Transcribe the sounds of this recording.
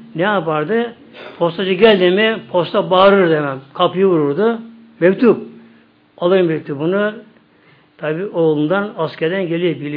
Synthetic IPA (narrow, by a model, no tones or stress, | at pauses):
nɛapaɾd̪ɯ | pʰo̞st̪ad͡ʒɯɟɛlʲd̪imipʰo̞st̪ʰabaːɾɯɾd̪emɛmkʰapjɯβuɾuɾd̪u | mekʲt̪ʰup̚ | alˠɯɾmek̚t̪ʰubunu | t̪ʰabiːʔoːlˠund̪anaskʲɛɾd̪ænɟelʲibilʲi